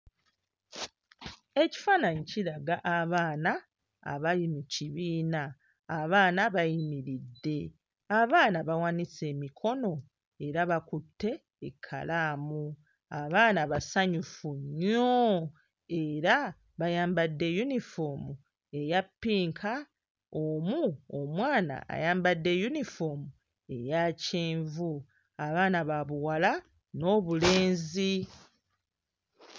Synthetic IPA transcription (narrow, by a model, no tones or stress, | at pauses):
e̞ci̥faːnaɲiciɾaɡaʔaβaːna | a̰βalimuciβiːnaː | βaːnaβajimiɾidːe̞ | aβaːnaβawanise̞ːmikʰo̞no̞ | e̞ɾaβakutʰːe̞ː | kʰːa̰laːmu | aβaːnaβasaɲufuɲːo | e̞ɾa | βajaːmbadːe̞junifo̞mu | e̞japːiːŋkʰa | omuomwaːna̰a̰jaːmbadːe̞junifo̞mu | e̞jaceːɱvu | aβaːnaβaβuwala | no̞ːβule̞ːnzi